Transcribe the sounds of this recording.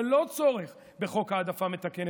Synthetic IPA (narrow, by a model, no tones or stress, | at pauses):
lo̞t͡soʁeχ | be̞χo̞kaːd̪afame̞t̪aken